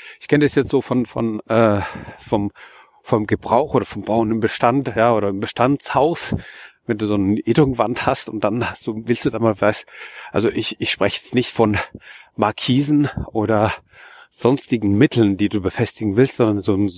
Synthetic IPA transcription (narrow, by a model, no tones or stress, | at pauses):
ʔɪçkʰɛnədasjɛt͡stz̥oːfɔnfɔ̰nʔɛːfɔm | fɔmɡəbʁaʊxʔoːdɐfɔmb̥aʊnɪmbəʃtantjaːʔoːɾɐɪmbəʃtant͡shaʊsvɛnduːzoːnənʔeːdʁŋvanthastʊnt̚d̥anhast̚d̥uːvɪlstd̥uːdaːnmaːlvaɪstʔa̰lzoʔɪçɪçʃpʁ̥ɛçəjɛt͡stnɪçtfɔnmaɐkʰiːzn̩ʔoːɾɐ | z̥ɔnstɪɡŋ̩mɪtʰl̩ndiːduːbəfɛstɪɡŋ̩vɪlstz̥ɔndɐnzoːn